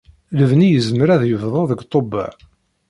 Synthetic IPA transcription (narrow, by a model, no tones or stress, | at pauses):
ləvnijəzməɾæðjəvðˤoðəɡt̪ˤoba̰ʕ